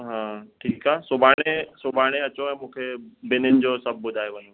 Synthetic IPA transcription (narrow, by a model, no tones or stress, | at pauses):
ɦãːʈʰiːkɦaːsʊbʱaːɽ̃ẽsʊbʱaːɽ̃eɐt͡ɕoɛ̃ːmũːkʰebɪnɪnɪ̆d͡ʑosəb̚ʱbʊd̪ʱaːjeʋəno